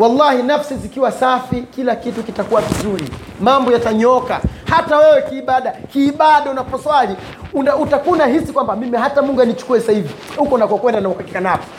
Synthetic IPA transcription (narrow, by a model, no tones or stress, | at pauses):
walːahinafsizikiwasafikilakitukitakuwavizuɾḭ | mambɔjataɲɔka̰hatawɛwɛkiːɓaɗakiːɓaɗaunapɔswali | unautakunaɦisikwambamimiɦatamuŋɡɛnit͡ʃu̥kuɛsahivi | hukɔnakwakwɛndanaukakikanapɛ̥